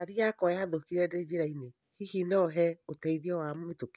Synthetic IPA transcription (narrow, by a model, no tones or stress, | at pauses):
aɾiakɔjaðokiɾɛded͡ʒeɾaine | hihinɛɔɦɛotɛiðiɔwametok